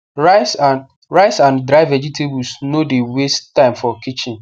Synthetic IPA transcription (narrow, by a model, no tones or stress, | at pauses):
ɹas | ɹaɪsãndɾaɪvɛd͡ʒitʰebulsnodewesttːãɪ̃mfɔkit͡ʃɪ̃n